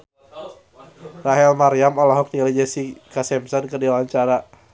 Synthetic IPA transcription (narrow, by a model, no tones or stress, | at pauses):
raɦɛlmaɾiamɔlɔɦɔk̚t̪ilid͡ʒasikasɛmsɔnkərdilaɲt͡ʃaɾa